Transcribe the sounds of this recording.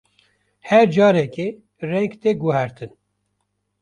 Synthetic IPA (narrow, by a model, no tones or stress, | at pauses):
hɛɾd͡ʒɑːɾɛke | rɛ̃ŋkt̪eɡuɦɛɾt̪ʰɨn